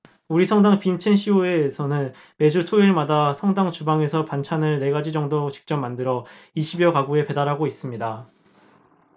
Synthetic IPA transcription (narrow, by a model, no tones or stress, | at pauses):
uɾisʰʌŋdaŋpint͡ɕʰenɕʰioeːsʰʌnɯn | me̞d͡ʑutʰoiɭmadasʰʌŋdaŋt͡ɕubaŋe̞sʰʌpant͡ɕʰanɯɭne̞ɡad͡ʑid͡ʑʌŋdot͡ɕi̥k̚t͡ɕ͈ʌmːandɯɾʌiɕʰibijʌkaɡue̞pe̞daɾɦaɡois͈ɯmɲida